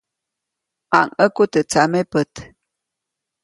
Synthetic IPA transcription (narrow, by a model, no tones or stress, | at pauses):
ʔaŋəkut̪ət͡samepət̪